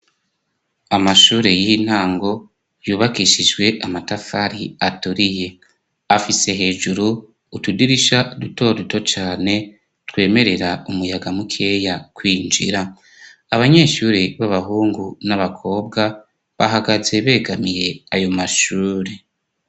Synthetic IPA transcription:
amaʃuːɾe̞jiin̥haːŋɡo̞ | juːβakiʃid͡ʒɡwe̞ʔamatafaɾiatuɾije̞ | afise̞ɦe̞ːʒuɾuː | tudiɾiʃaduto̞ːɾuto̞t͡ʃaːne̞ | twe̞ːme̞ɾe̞ɾaumujaɡamukʰe̞jakwiːnd͡ʒḭɾa | aβaɲe̞ːʃuːɾiβaβaɦuːŋɡunaβakʰo̞ːbɡa | βaɦaɡaze̞βe̞ːɡamije̞ajo̞maʃuːɾe

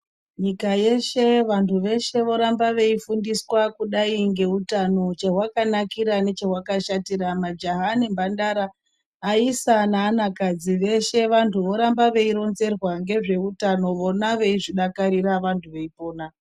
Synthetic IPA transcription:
ɲikaje̞ʃe̞ʋantʰuʋe̞ʃe̞ʋo̞ɾambaʋe̞ifundiswakuɗaiŋɡe̞utano̞t͡ʃeɦwakanakiɾane̞t͡ʃeɦwakaʃatiɾamad͡ʒaɦanimbandaɾaː | isanaːnakad͡ziʋe̞ʃe̞ʋantʰuʋo̞ɾambaʋe̞iɾo̞nze̞rwaŋɡe̞ʐe̞utano̞ʋo̞naʋe̞iʐiɗakaɾiɾaʋantʰuʋe̞ipo̞ːna

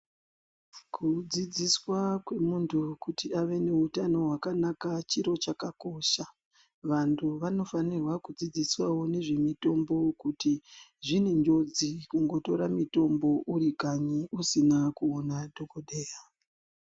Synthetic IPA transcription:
kʰud͡zid͡ziswakwe̞muntʰukutiaʋe̞ne̞utano̞ɦwakanakat͡ʃiɾo̞t͡ʃakako̞ʃa | ʋantʰuʋano̞fanirwakud͡zid͡ziswawo̞ne̞ʐe̞mito̞mbo̞kutiʐineɲd͡ʒo̞d͡zikuŋɡo̞to̞ɾamito̞mbo̞ʔuɾikaɲiʔusinakuonadʱokodeja

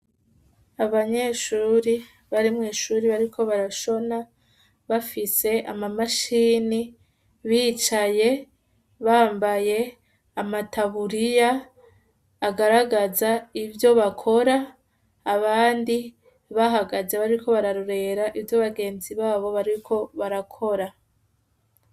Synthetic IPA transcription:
aβaɲe̞ːʃuːɾi | βaɾimŋeːʃuːɾiβaɾikʰo̞βaɾaʃo̞na | βafise̞ʔamamaʃiːni | βiːt͡ʃaje̞ | βaːmbaje̞ | amataβuɾija | aɡaɾaɡazaivjo̞βakʰo̞ɾaː | βaːndi | βaɦaɡazeβaɾiɾikʰo̞βaɾaɾuɾe̞ɾaʔivjoβaɡe̞ːnziβaːβo̞βaɾikʰo̞βaɾakʰo̞ɾa

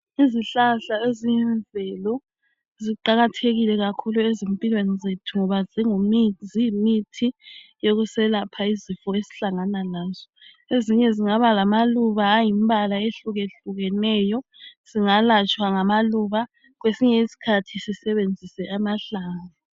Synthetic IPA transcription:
iziɬaɬaeziɛnvʱɛlɔ | ziǃaɣatʰeɣilɛɣakʰuluezimpʼilwenizetʰuŋɔβaziŋumizijmitʰijoɣusɛlapʰaizifɔezi̥ɬaŋanalaːzɔ | eziɲɛziŋaβalamaluβaːjimbʱalaeɬuɣeɬuɣɛnɛjɔz̥iŋalat͡ʃʼwaŋamaluβa | ɣwesiɲɛisi̥kʰatʰisisɛβend͡zʱisɛʔamaɬaːŋa

